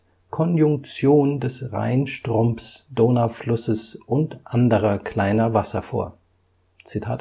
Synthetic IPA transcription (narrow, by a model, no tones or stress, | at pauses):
kʰɔnjʊŋk̚t͡sjoːndɛsʁa̰ɪnʃtʁ̥ʊmsd̥oːnaflʊsəsʔʊntʔandəʁɐkl̥aɪnɐvasɐfo̰ːɐ | t͡sitʰa̰ːt